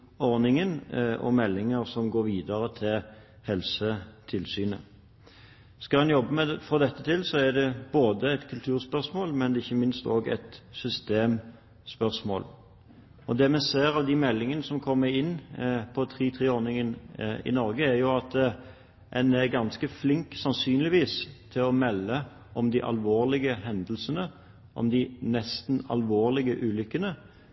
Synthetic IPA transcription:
ɔɾnɪŋənɔ̰mɛlːɪŋəɾsɔmɡoːɾʋiːd̪əɾət̪ʰɪl | hɛlsət̪ʰɪlsyːnə | skɑɑnjɔbːəmɛfɔʁd̪ɛt̪ːət̪ʰɪlsɔæd̪ɛb̥oːd̪əɛɪt̪kʰʉlt̪ʰʉːʁspœʁsmoːlmɛnɪçːəmɪnst̪oːɡɛ̰t̪sʏst̪eːm | spœʁsmo̰ːl | ɔd̪ɛːmɛseːɾɑʋd̪ɪmɛlːɪŋənəsɔmkʰɔmːəɾɪnːpʰɔt̪ʰʁiːt̪ʰʁeːɔɾnɪŋənɪ̰nɔɾɡəæɾjʊɑt̪ | ɛnɛʁɡɑnskəflɪŋksɑnsyːnlɪʋiːst̪ʰɪlɔmɛlːə | ʔɔmd̪ɪʔɑ̰lʋoːʁlɪɡəhɛnd̪l̩sənə | ʔɔ̰md̪ɪnɛst̪nɑ̰lʋoːʁlɪɡəʔʉːlʏkːənə

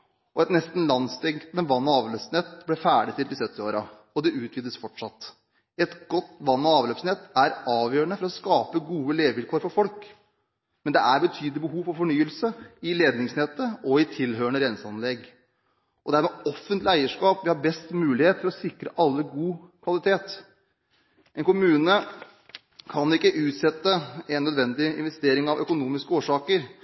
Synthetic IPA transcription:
ɔɛt̪nɛst̪n̩lɑnst̪ʰɛŋkt̪nəʋɑnːɔɑːʋløːsnɛt̪ːblɛfæːɖɪt̪ʰɪld̪ɪsœt̪ːɪoːɾɑ | ɔd̪ɛʉːt̪ʋiːd̪əsfɔʈʂɑt̪ː | ɛt̪ɡɔt̪ːʋɑnːɔɑːʋløːpsnɛt̪ːæɾɑːʋjøːəɳəfɔɾɔskɑːpəɡuːəleːʋəʋɪlkʰoːɾfɔɾfɔlk | mɛnd̪ɛæɾbət̪ʰyːd̪əlɪbəɦuːʋfɔɾfɔɳyːəlsəɪleːd̪nɪŋsnɛt̪ːəɔɪt̪ʰɪlɦøːəɳəɾɛnsəɑnlɛɡ | ʔɔd̪æɾmɛːɔfənt̪lɪæɪəʂkɑːpʋɪhɑɾbɛst̪mʉːlɪheːt̪fɔɾɔsɪkɾəʔɑlːəɡuːkʰʋɑlɪt̪ʰeːt̪ | ʔɛnkʊmʉːnə | kʰɑnɪkːəʔʉːt̪sɛt̪ːəɛnːœd̪ʋɛnd̪ɪɪ̰nʋɛst̪eːɾɪŋɑʋœ̰kʊnuːmɪskəoːʂɑːkəɾ

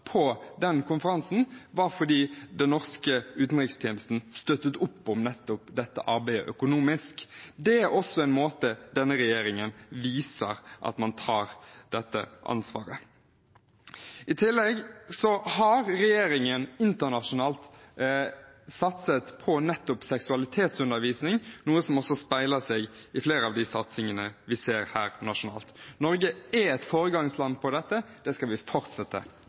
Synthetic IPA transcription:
pʰɔd̪ɛnkʰʊnfəɾɑnsn̩ʋɑfɔd̪iːd̪ɛnnɔʁskəʉːt̪n̩ʁɪkst̪ʰiːnl̩st̪n̩st̪œt̪ːət̪ʊpːɔmnɛt̪ːɔpd̪ɛt̪ːəʔɑɾbæɪə̰ʔœkʊnuːmɪskd̪ɛæɾɔsːɔɛɪnmoːt̪əd̪ɛnːəɾɛjeːɾɪŋənʋiːsə̰ɾʔɑ̰t̪mɑnt̪ʰɑːɾd̪̥ɛt̪ːə̰ʔɑ̰nsʋɑ̰ːɾə̰ | ɪt̪ʰɪlːɛɡsɔhɑɾɾɛjeːɾɪŋənɪnt̪əʁnɑʂʊnɑːlt̪ | sɑt̪sət̪pʰɔnɛt̪ːʊpsɛksʉɑlɪt̪ʰeːt̪sʉnd̪əɾʋiːsnɪŋnuːəsɔmɔsːɔspæɪləseːɡɪfleːɾəɑʋd̪ɪsɑt̪sɪŋənəʋɪseːɾhæːɾnɑʂʊnɑ̰ːlt̪nɔɾɡəɛɛt̪foːɾəɡɑŋslɑnːpʰɔd̪ɛt̪ːəd̪̥ɛskɑlʋɪfɔɾt̪sɛt̪ːə̰

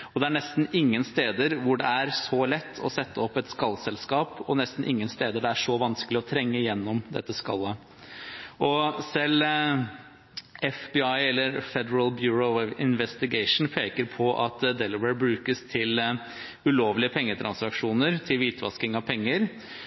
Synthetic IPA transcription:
ɔd̪ɛæɳɛst̪n̩ɪŋːənst̪eːd̪əɾʋʊɖɛæɾsɔlɛt̪ʰːɔ̰sɛt̪ːəɔpːɛt̪skɑlːsɛlskɑːpɔnɛst̪n̩ʔɪŋːənst̪eːd̪əɖɛæʂɔʋɑnskəlɪɔt̪ʰɾɛŋːəjɛnːɔmd̪ɛ̰t̪ːəskɑ̰lːə | ɔsɛl | ɛfbɪɑɪɛlːəɾfɛd̪əɾəlbjʉːɹɔɪnʋɛst̪ɪɡɛɪʂn̩pʰeːkəɾpʰɔʔɑt̪d̪ɛlɪʋəbɾʉːkəst̪ʰɪl | ʉloːʋlɪəpʰɛŋːət̪ʰɾʔɑ̰nsɑkʂuːnəɾt̪ʰɪlʋiːt̪ʰʋɑ̰skɪŋɑʋpʰɛŋːəɾ

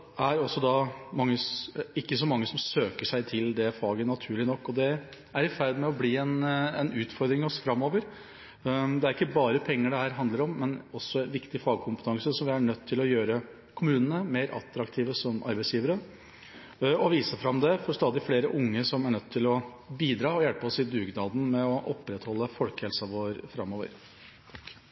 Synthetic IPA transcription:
æɾɔsːɔd̪ɑmɑŋːəɪkːəsɔmɑŋːəsɔmsøːkəʂæɪt̪ʰɪld̪ɛfɑːɡənɑt̪ʰʉːɭɪnɔkːɔd̪ɛ | æɾɪfæɾd̪mɛɔbliːɛnɛnʉːt̪fɔɾd̪ɾɪŋɔsfɾɑmːoːʋəɾ | d̪ɛæɾɪkːəbɑːɾəpʰɛŋːəɖɛhæːɾɦɑnd̪ləɾɔmːɛnɔsːɔɛnʋɪkt̪ɪfɑːɡ̚kʰʊmpət̪ʰɑŋsəsɔmʋɪæɳœt̪ʰːɪlɔjøːɾə | kʰʊmʉːnənəmeːɾʔɑ̰t̪ɾɑkt̪ʰiːʋəsɔmʔɑɾbæɛɪsjiːʋəɾə | ɔʋiːsəfɾɑmd̪ɛfɔɾst̪ɑːd̪ɪfleːɾəʔʊŋːəsɔmæɳœt̪ʰːɪlɔ | biːd̪ɾɑːɔjælpəɔsɪd̪ʉːɡnɑːd̪n̩mɛɔʔɔpːɾɛt̪hɔlːəfɔlkhɛlsɑʋoːɾfɾɑmːoːʋə̰ɾ

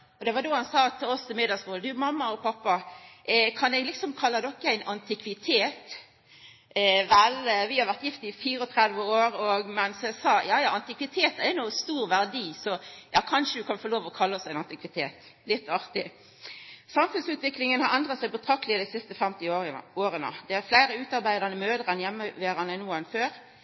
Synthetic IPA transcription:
ɔd̪ɛʋɑd̪ohɑnsɑːt̪ʰɪlɔsɪmeːd̪ɑsuːəd̪ʉmɑmːɑɔpʰɑpːɑ | kʰɑnɛɡlɪksɔmkʰɑlːəd̪ɔkːəæɪnɑnt̪ʰɪkʋɪt̪ʰeːt̪ | ʋɛlʋɪhɑɾʁʋæʁt̪jɪft̪ɪɪfiːɾəɔt̪ʰɾɛd̪ʋəoːɾɔɡmɛnsɛsɑːjɑːjɑːɑnt̪ɪkʋɪt̪ʰeːt̪ɛɾnuːst̪uːʁʋæʁd̪iːsɔjɑːkʰɑnʃəd̪ʉkʰɑnfoːloːʋɔkʰɑlːəɔsæɪnɑnt̪ɪkʋɪt̪ʰeːt̪ | lɪt̪ːɑʁt̪ɪ | sɑmfʉnsʉːt̪ʋɪklɪŋənhɑɾɛnd̪ʁət̪sæɪbət̪ʰɾɑk̚t̪əlɪəd̪æɪsɪst̪əfɛmt̪ɪoːɾənə̰d̪ɛæɾflæɪɾəʉːt̪ɑɾbæɪd̪ɑnəmøːd̪əʁənjɛmːəʋeːʁɑnənuːɛɪnføːɾ

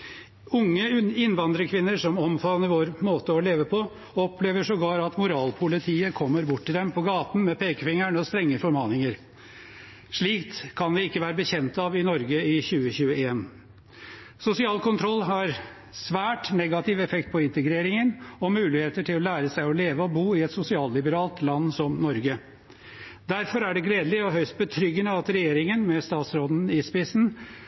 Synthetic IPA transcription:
ʊŋːəɪnːʋɑnd̪ɾəkʰʋɪnːəɾʂɔmɔmfɑnəɾʋoːɾmoːt̪əɔleːʋəpʰɔ | ɔpʰleːʋəʂɔɡɑːɾɑt̪mʊɾɑːlpʰʊlɪt̪ʰiːəkʰɔmːəɾbʊʈːɪd̪ɛmpʰɔɡɑːt̪n̩mɛpʰeːkəfɪŋːəɳɔst̪ɾɛŋːəfɔɾmɑːnɪŋəɾ | ʂɭiːkt̪ʰːɑnd̪ɪɪkːəʋæːɾəbəçɛnt̪ɑʋɪnɔɾɡəɪçʉːəçʉːəeːn | sʊsɪɑːlkʊnt̪ʰɾɔlːɦɑɾ | sʋæːʈnɛɡɑt̪ɪʋɛfɛk̚t̪̚pʰɔɪnt̪əɡɾeːɾɪŋənɔmʉːlɪheːt̪əʈʰɪlɔlæːɾəsæɪɔleːʋəɔbuːɪɛt̪sʊsɪɑːllɪbəɾɑːlt̪lɑnːsɔmnɔɾɡə | d̪æɾfɔɾæɖɛɡleːd̪əlɪɔɦœʏst̪̚bət̪ʰɾʏɡːənəɑt̪ɾɛjeːɾɪŋənmɛst̪ɑːt̪sɾɔd̪n̩ɪspɪsn̩

